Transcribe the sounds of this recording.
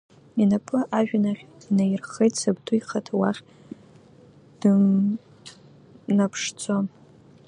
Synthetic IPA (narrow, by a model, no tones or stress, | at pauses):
inapʼʰɨʔaʒᶣnaχʲinajrχejtʼsab̚dʰʼujχatʰwaχʲ | d̥ | napʰʂt͡sʰo